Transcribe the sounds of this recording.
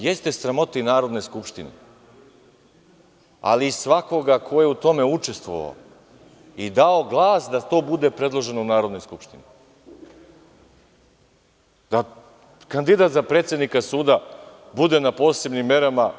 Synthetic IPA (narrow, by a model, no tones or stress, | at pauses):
jest̪e̞sɾamo̞t̪inaːɾo̞d̪no̞jskupʃt̪inḭ | a̰liːsʋako̞ɡakʰo̞jeut̪o̞me̞ut͡ʃe̞st̪ʋo̞̰ʋa̰o | id̪ao̞ɡlˠaːsd̪at̪o̞ːbud̪e̞pɾe̞d̪lˠo̞ʒe̞nounaːɾo̞d̪no̞jskupʃt̪ini | d̪̥a | kand̪id̪at̪zapɾe̞t̪sje̞d̪nikasuːd̪a | bud̪e̞napo̞ːse̞bnimːe̞ɾama